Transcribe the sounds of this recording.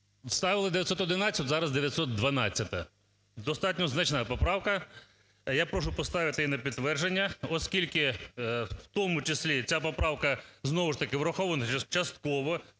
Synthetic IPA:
st̪ɑʋɪlˠɪd̪ejɐt̪sɔt̪ɔd̪ɪnɑt͡sʲːɐt̪ʲzɑɾɐzd̪eʋʲjɐt̪sɔt̪̚d̪ʋɐnɑt͡st͡sʲːɐt̪ɐ | d̪ɔst̪ɑtʲnʲɔznɐt͡ʃnɑpɔpɾɑwkɐ | japɾɔʃ̬ʊpɔst̪ɑʋɪt̪ɪinɐpʲid̪t̪ːʋɛrʒenʲːɐɔskʲilʲkɪ | w̥t̪ɔmʊt͡ʃɪsʲlʲit͡sʲapɔpɾɑwkɐznɔʋʊʂt̪ɐkɪwɾɐxɔʋɐnɐɐt͡ʃɐst̪kɔʋɔ

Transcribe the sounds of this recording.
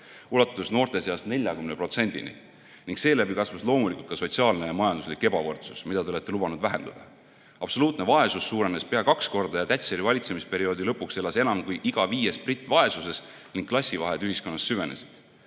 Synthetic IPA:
ulɑt̪ːˑusno̞ːrt̪e̞seɑst̪ne̞lʲjɑkymnepro̞t̪se̞nʲd̪̥ḭnḭ | niŋkse̞ːlæbikɑsvɑslo̞ːmulikult̪̚kɑso̞t̪ʲsiɑːlne̞jɑmɑjɑnd̪uslikːˑe̞bɑvɤrt̪su̥smid̪ɑt̪e̞oet̪ːe̞lubɑnud̪væɦe̞nd̪̥ɑ̰d̪ɑ | ɑb̥so̞luːt̪ne̞vɑe̞susːuːɾe̞nespe̞ɑkɑksko̞rd̪ɑjɑt̪æt̪ʲseɾivɑlʲit̪se̞mispe̞ɾio̞ːd̪ilɤpːˑukse̞lːɑse̞nɑmkujʔiɡ̥ɑviːje̞sprit̪ːˑvɑe̞suse̞s | niŋɡ̥̚kːlɑsʲːivɑɦed̪yhisko̞nːɑsːyve̞nesid̪̥

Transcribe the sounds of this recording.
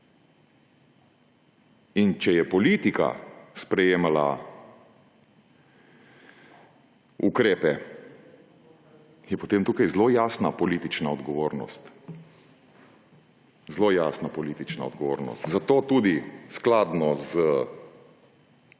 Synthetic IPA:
int͡ʃɛjɛpɔlit̪ika̰spɾɛjeːmala̰ | ukɾeːpɛ | jɛpɔt̪emt̪uːkajzlojaːsnapɔliːt̪it͡ʃnaɔd̪ɡɔʋoːɾnɔ̰st̪ | zlojaːsnapɔliːt̪it͡ʃna̰ɔd̪ɡɔʋoːɾnɔ̰st̪zat̪oːt̪ud̪isklaːd̪nɔzə

